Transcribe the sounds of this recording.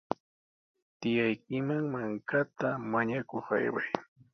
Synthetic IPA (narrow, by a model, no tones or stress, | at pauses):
t̪ɪjajkɪmaŋmaŋkat̪amaɲakoχa̰jwa̰j